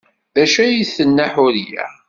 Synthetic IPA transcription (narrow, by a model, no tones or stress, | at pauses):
ðæʃæjiθənːaħʊɾjæ̰